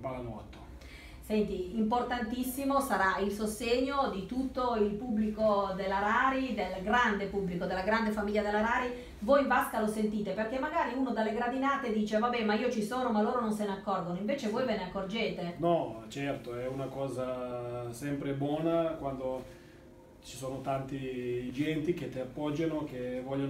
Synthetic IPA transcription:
palalat̪ːo̥ | sɛnt̪iːmport̪ant̪isːimosaɾailsost̪eɲːod̪it̪ut̪ːoilpubːlikod̪elːaɾaːɾid̪elɡɾand̪epubːlikod̪elːaɡɾand̪efamiʎːad̪elːaɾaːɾi | vojvaskalosent̪iːt̪eperk̟emːaɡaːɾiuːnod̪alːeɡɾad̪inaːt̪ed̪iːt͡ʃevabɛmaiːot͡ʃisoːnomalːoːɾononseneakːɔrɡonoiɱveːt͡ʃevojveneakːord͡ʒeːt̪enɔt͡ʃɛrt̪oɛunakɔːzasɛmpɾebwɔːnakwand̪o | t͡ʃi̥soːnot̪ant̪id͡ʒɛnt̪ik̟et̪ːeapːɔd͡ʒːanokevɔʎːo

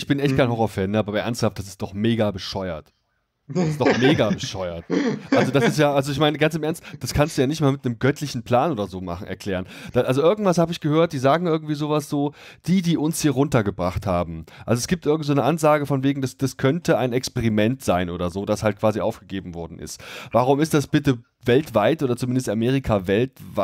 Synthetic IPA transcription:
ɪçb̥ɪnʔɛçt̚kʰaɪnhɔʁɔɐfɛːnːəʔaːbɐbɐʔɛɐnsthaft̚d̥as̬ɪstd̥ɔχmeːɡabəʃɔʏɐ̰t | ɪsd̥ɔxmeːɡabəʃɔʏɐtʔalzodasɪstjaːʔalzoɪçmaɪnəɡant͡sɪmʔɛɐnstd̥askʰanstd̥uːjaːnɪçtmaːlmɪtnəmɡœtʰlɪçn̩pʰl̥aːnʔoːdɐzoːma̰χn̩ʔɛɐkl̥ɛːʁənd̥aʔalzoʔɪɐɡŋ̩tv̥ashaːbəɪçɡ̥əhøːɐt̚d̥iːzaːɡŋ̩ʔɪɐɡŋ̩tv̥iːzoːvasz̥oːd̥iːdiːʔʊnshiːɐʁʊntɐɡəbʁaχthaːbm̩ʔalzoɛsɡ̥iːptʔɪɐɡŋ̩tzoːnəʔanzaːɡəfɔnveːɡŋ̩dasd̥askʰœntəaɪnɛkspɛʁimɛntz̥aɪnʔoːdɐzoːdashalt̚kʰv̥aːziʔa̰ʊfɡ̥əɡeːbm̩vɔɐdn̩ʔɪ̰stvaʁ̞ʊmɪstd̥asb̥ɪtə | vɛltv̥aɪtʔoːdɐt͡sumɪndəstameːʁ̞ikʰavɛltv

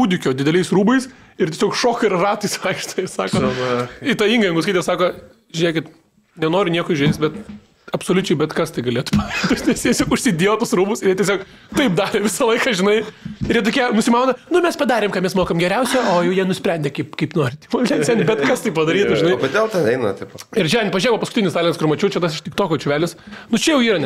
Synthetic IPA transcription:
uːd̪ʲɪkʲoːd̪ʲɪd̪ʲɛlʲɛɪsɾuːbɐɪs | ɪrtʲɛsʲoːkʃoːkɪrrɑːt̪ɐɪsʋɐɪkʃt̪oɪsɑːkoːɪt̪ɑiːŋɡɐjɪŋɡʊskɪt̪ʲːɛsɑːkoː | ʒʲɪnʲeːkʲɪt̪ | nʲɛnoːɾʲɪnʲiɛkoːɪʒʲɛɪt͡st̪bʲɛt̪ | ɐpsoːlʲʊt͡ʃʲɛɪbʲɛt̪kɐst̪ɐɪɡɐlʲeːt̪ʊ̥pɐɐɪʃt̪ot̪ʲnʲɛsjʲiɛɛsʲoːkʊʃʲsʲɪdʲijoːt̪ʊsɾuːbʊsɪjiɛt̪ʲɛsʲoːk | t̪ɐɪpd̪ɑːɾʲɪʋʲɪsɐlˠɐɪkɐʒʲɪnɐɪɪɾjiɛt̪oːkʲiɛmʊsʲɪmɑʊnɐnʊmʲɛspɐd̪ɑːɾʲeːmkɐtmʲɛsmoːkɐmɡʲɛɾʲɛʊsʲɛoːjɛʊjiɛnʊsʲpʲɾʲɛnʲdʲɛkɐɪpkɐɪpnoːɾʲɪt̪ʲʋolʲɛnsʲɛnʲbʲɛt̪kɐst̪ɐɪpɐd̪ɐɾʲiːt̪ʊʒʒɪnɐɪkʲɐd̪ʲeːlˠt̪ʲɐnɛɪnɐ̰t̪ʲɐɪpɪrt͡ʃʲɛɛnʲpɐʒʲnʲejʋɐpɐskʊ̥t̪ʲɪnʲɪst̪ɑːlʲɪnskʊrmɐt͡ʃʲuːt͡ʃʲɛt̪ɐsɪʃt̪ʲɪk̚t̪oːkʲoːt͡ʃʲʊʋʲæːlʲɪsnʊt͡ʃʲɛjɛʊiːɾɐnʲ

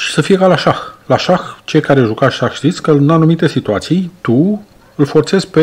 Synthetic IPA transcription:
ʃi̥səfije̞kalaʃaxlaʃaxt͡ʃe̞jkaɾeʒukaʃaxʃt̪it̪sʲkəɨnanumit̪e̞sit̪uat̪sijt̪u | ɨlfo̞rt̪se̞zpe̞

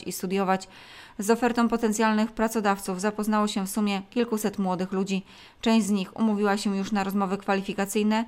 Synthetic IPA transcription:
ist̪ud̪ʲjɔvat͡ɕ | zɔfɛɾt̪ɔ̃pɔt̪ɛnt̪sʲjalnɘxpɾat̪sɔd̪aft̪suvzapɔznawɔɕɛfsumʲjɛkʲilkusɛt̪mwɔd̪ɘxlud͡ʑi | t͡ʂɛ̃w̃ʑd͡ʑzɲixṵmuvʲiwaɕɛjuʂnaɾɔzmɔvɘkfalʲifʲikat̪sɘjnɛ

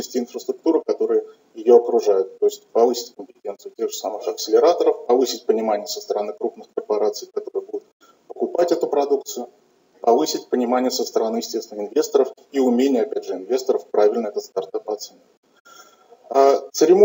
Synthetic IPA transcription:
əsʲtʲɪːnfɾəst̪ɾʊk̚t̪uɾɨkɐt̪o̞ɾɨjə | jɪjo̞ɐkɾʊʐajʊt̪ːo̞ɪsʲtʲpɐvɨsʲɪ̥tʲkəmʲpʲɪtʲe̞nt̪sɨjʊtʲe̞ɣʐɨsamɨxɐksʲɪlʲɪɾat̪əɾəfpɐvɨsʲɪtʲpənʲɪmanʲɪjəsəst̪əɾɐnɨkɾupnɨxkərpɐɾat̪sɨjkɐt̪o̞ɾɨjəbud̪ʊt̪̚ | pəkʊpatʲɛt̪ʊpɾɐd̪uk̚t̪sɨjʊ | pɐvɨsʲɪtʲpənʲɪmanʲɪjəsəst̪əɾɐnɨjɪsʲtʲest̪vnəxɪnvʲe̞st̪əɾəf | iʊmʲenʲɪjəɐpʲædʲʐɨɪnvʲe̞st̪əɾəfpɾavʲɪlʲnəɛt̪ət̪st̪ɐrt̪apɐt̪sɛnʲ | ət̪sɨɾʲɪm

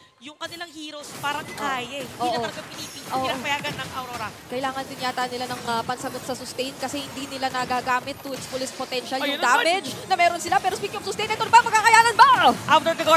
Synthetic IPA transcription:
jʊŋkɐnɪlaŋhiːɾospaːɾɐŋkaːjɐɛʔoiːɐʔolɐɐɡɐpɪniːpiːoːpɐjaːɡɐnːɐŋɐwɾoːɾɐkɐʔɪlaːŋɐnd̪ɪnjaːt̪anɪlanɐŋɐpɐnsɐɡot̪̚sɐsʊst̪ɛjnkɐsɛhɪnd̪iːnɪlanɐɡaɡaːmɪt̪ːʊɪt̪spʊlispot̪ɛnʃɐljʊd̪aːmɛd͡ʒnɐmɛːɾonsɪlapɛːɾospikjʊŋsʊst̪ɛjnɛːt̪onɐbamɐɡkakɐjaːnɐnbɐʔawd̪od̪ɪɡo

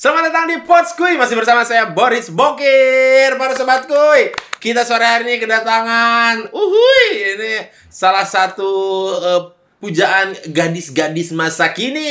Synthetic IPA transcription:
səlamadat̪aŋndipɔt̪skuimasɪhbərsamasajaboɾɪsboŋkirpaɾusəbat̪̚kuikit̪asoaɾaɦaɾinikədat̪aŋanuɦujni | salahsat̪uə | pud͡ʒaʔanɡadɪsɡadɪsmasakini

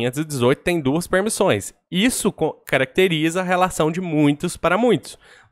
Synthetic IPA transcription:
ẽt̪ʊzɪd͡ʒɪzojt̪ʊt̪ẽj̃d̪uɐspeɾmisõj̃s | isʊkõkaɾak̚t̪eɾizɐːɦelasɐ̃w̃d͡ʒɪmũj̃t̪ʊspaɾɐmũj̃t̪ʊ̥s

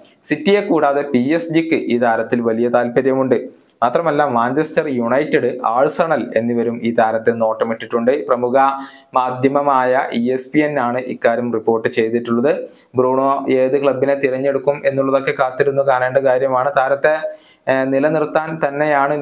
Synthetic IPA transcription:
sitːije̞kːuːɽaːðepiesd͡ʑikːɨʔiːt̪ʰaːɾɐt̪ːilʋɐlijɐt̪aːlpɐɾjɐmuɳɖɨ | maːt̪rɐmɐlːaːmːaːnt͡ɕestɐrjuɳɐjtːeɽɨʔaːɻsɐɳɐle̞̰nːiʋɐɾumiːt̪ʰaːɾɐt̪ːeno̞ːʈːɐmiʈːiʈːuɳɖɨprɐmuɣɐ | maːd̪ʱjɐmɐmaːjɐʔiespienːaːɳɨʔikːaːɾjɐmripːo̞ːrʈːɨt͡ɕe̞jt̪iʈːuɭːɐðɨbruːɳoːeːðɨkɭɐbːinet̪iɾɐɲːe̞ɽukːume̞nːuɭːɐðo̞kːe̞kaːt̪ːiɾunːukaːneːɳɖɐkaːɾjɐmaːɳɨt̪aːɾɐt̪ːe | nilɐnirt̪ːaːnt̪ɐnːe̞jaːɳɨ

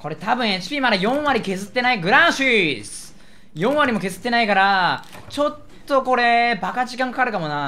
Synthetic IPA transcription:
ko̞ɾe̞t̪abɯ̟̃ɰ̃e̞t͡ɕi̥pʲiːmad̪ajõ̞ɰ̃βaɾʲike̞zɨt̪ːe̞naiɡɯ̟ɾãɕisɨ̥ | jõ̞ɰ̃aɾʲimo̞ke̞zɨ̥t̪ːe̞naikaɾa | t͡ɕo̞t̪ːo̞ko̞ɾe̞bakaʑikãŋkḁkaɾɯ̟kamo̞na

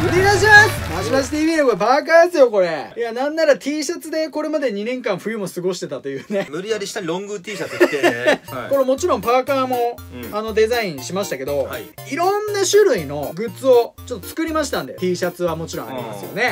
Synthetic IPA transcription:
mɯɾʲinaʑimasad͡ʑimaɕi̥t̪iːbiːd̪ekoɾebaːk̬aj̪asɨjo̞ko̞ɾe̞janãnːaɾat̪ʰʲiːɕat͡sɨd̪e̞ko̞ɾe̞mad̪e̞ɲ̟inẽ̞ŋkãɰ̃ɸɯ̟jɯ̟mo̞sɨɡo̞ɕi̥t̪e̞t̪at̪o̞jɯ̟ːne̞mɯ̟ɾʲiaɾʲiɕi̥t̪aɾõŋɡɯt̪ʲiːsaekoɾemo̞t͡ɕiɾõ̞mpaːkaːmo̞ | ano̞d̪e̞zaĩɰ̃ɕimaɕi̥t̪ake̞d̪o̞ | iɾõ̞nːaɕɨɾɯ̟ino̞ɡɯ̟t͡sɨo̞t͡ɕo̞t̪ːot͡sɨ̥kɯ̟ɾʲimaɕi̥t̪ãnd̪et̪ʲiːɕat͡sɨβamo̞t͡ɕiɾõa̰ɾʲḭma̰sɨjo̞̰ne̞

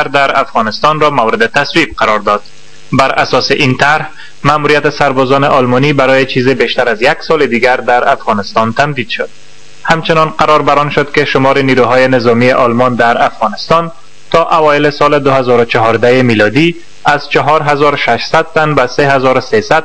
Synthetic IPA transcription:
ɾd̪aɾa̰fɣɔnɪst̪ɔnɾɔmawɾɪd̪ɪt̪aswib̚qaɾɔɾd̪ɔd̪̥ | baɾa̰sɔsɪʔint̪aɾh | mamuɾijat̪ɪsaɾbɔzɔnɪʔɒlmɔnibaɾɔjet͡ʃizɪbeʃt̪aɾazjaɡsɒlɪd̪iɡaɾd̪aɾafɣɔnɪst̪ɔnt̪amd̪id̪ʃʊd̪̥ | hamt͡ʃɪnɔnqaɾɒɾbaɾɔnʃʊd̪kɪʃʊmɔɾɪniɾuɦɔjɪnɪzɒmieʔɒlmɔnd̪aɾafɣɒnɪst̪ɒn | t̪ɒʔawɒɪlɪsɔlɪd̪ʊɦazɒɾʊt͡ʃɔɦɒɾd̪aɪmilɒd̪i | az̥t͡ʃɔɦɒɾɦazɒɾʊʃaʃsad̪̚t̪anbaseɦazɒɾʊsesad̪̚

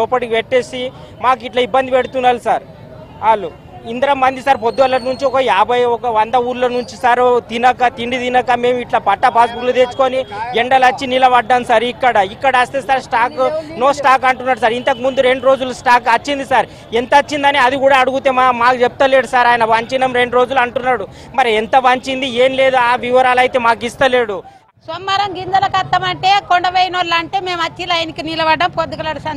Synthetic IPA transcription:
lopɐʈiʋeʈːeːsi | maːk̬uiʈlɐibːɐnd̪ipeɽut̪unːaːɾusaɾ | aːlu | ind̪ɐɾɐmːɐnd̪isaːɾpod̪ːuʋɐlːɐnuɲt͡ʃiɔkɐjaːbʱɐjɔkɐʋɐnd̪ɐuːɾlɐnuɲt͡ʃisaɾt̪inɐkɐt̪iɳɖit̪inɐkɐme̞ːmiʈlɐpɐʈːɐpaːsbuklod̪eːt͡ʃu̥koːnieɳɖɐlɐt͡ʃːinilɐʋɐɖːɐnsɐɾikːɐɽɐikːɐɽɐɐst̪eːsaːɾsʈaːknoːsʈaːkɐɳʈunːaːɽusaːɾint̪ɐk̬imund̪uɾe̞ɳɖɾo̞ːd͡ʒulusʈaːkɐt͡ʃːind̪isaɾ | ent̪ɐɐt͡ʃːind̪ɐniɐd̪ikuːɽaːɽuɡut̪eːmamaːkud͡ʒep̚t̪ɐle̞ːɽusaːɾaːjɐnɐʋɐɲt͡ʃinɐmɾe̞ɳɖuɾoːd͡ʒuluɐɳʈunːaːɽu | mɐɾient̪ɐʋɐɲt͡ʃind̪ie̞ːnle̞ːd̪uaːʋiʋɐɾaːlɐjt̪e̞ːmaːk̬ist̪ɐleːɽu | somːɐɾɐmɡind̪ɐlɐkɐt̪ːɐmɐɳʈeːkoɳɖɐʋejnoɾlɐɳʈeːme̞ːmɐt͡ʃːilaːjnikinilɐʋɐɖːɐmpod̪ukɐlɐɽusɐn

